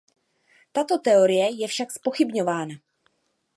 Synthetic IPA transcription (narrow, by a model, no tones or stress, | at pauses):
t̪at̪o̞t̪ɛo̞ɾɪjɛjɛfʃakspo̞xɪbɲo̞vaːna